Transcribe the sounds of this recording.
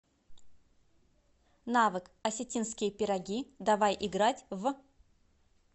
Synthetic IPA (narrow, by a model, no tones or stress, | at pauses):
navɨkɐsʲɪtʲinskʲɪjəpʲɪɾɐɡʲid̪avajʔɪɡɾatʲv